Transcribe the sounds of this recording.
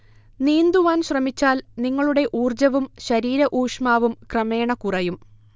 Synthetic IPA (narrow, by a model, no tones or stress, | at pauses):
niːnd̪uʋaːnɕrɐmit͡ɕːaːlniŋːɐɭuɽe̞ʔuːrd͡ʑɐʋumɕɐɾiːɾɐʔuːʂmaːʋumkrɐme̞ːɳɐkurɐjum